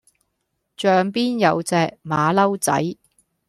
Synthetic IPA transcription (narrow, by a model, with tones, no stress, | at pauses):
t͡ʃœː˨˧ŋpiː˥njɐ˨˧wt͡sɛː˧k̚maː˨˧lɐ˥wt͡sɐ̰˨˥j